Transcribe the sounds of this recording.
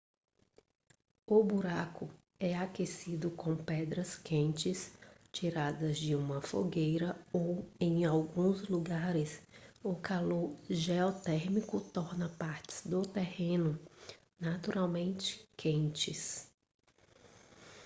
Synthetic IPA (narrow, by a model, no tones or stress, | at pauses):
ʊbuɾakʊ | ɛakesid̪ʊkõpɛd̪ɾɐskẽnt͡ʃɪst͡ʃiɾad̪ɐzd͡ʒɪũmɐfoɡejɾɐowẽj̃awɡũzluɡaɾɪsʊkaloɾʒeɔt̪ɛɾmikʊt̪ɔɾnɐpaɾt͡ʃɪ̥z̥d̪ʊt̪ehẽnʊ | nat̪uɾawmẽnt͡ʃɪ̥kʰẽnt͡ʃɪs